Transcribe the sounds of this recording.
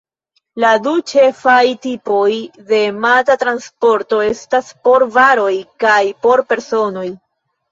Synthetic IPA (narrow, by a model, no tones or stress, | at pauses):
ladut͡ʃe̞fajtipo̞jde̞matatɾanspo̞ɾtoe̞staspo̞ɾvaɾo̞jkajpo̞ɾpe̞ɾso̞no̞j